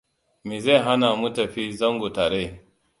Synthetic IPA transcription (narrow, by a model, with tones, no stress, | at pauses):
mi˨za˦˨ɦa˦na˨mu˦tɐ˨ɸi˦zɐ˦ŋɡo˨taː˨ɾe˦˨